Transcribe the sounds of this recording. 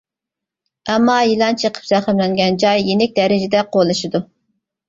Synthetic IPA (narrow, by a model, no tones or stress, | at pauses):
ɛmːɑjilˠɑnt͡ʃʰəqʰə̥pz̥æχəmlɛŋɡʲɛnd͡ʒɑjːenɪk̚ʲd̪ɛɾɪd͡ʒɪd̪ɛqolˠɨʃid̪u